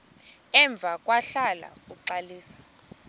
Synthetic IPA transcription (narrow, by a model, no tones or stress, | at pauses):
ɛɱb̪vʱakʼwaɬala̰uǃaliːsḁ